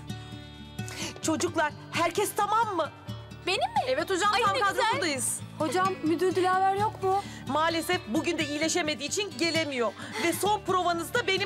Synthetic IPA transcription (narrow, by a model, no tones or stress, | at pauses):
t͡ʃʰo̞d͡ʒuklˠaɾ | hæɾcʰɛst̪ʰamamːɯ | benimɪɛvɛt̪ʰod͡ʒamankad̪ˠajɯz̥ho̞d͡ʒamːyd̪yɾd̪ylʲaːlʲˠæɾjo̞kmʊ | maːlʲesɛfbuɟynd̪ɛijlʲe̞ʃeme̞d̪iːt͡ʃʰinɟe̞lʲe̞mijo̞ | vɛso̞npɾo̞vanɯzd̪abe̞ni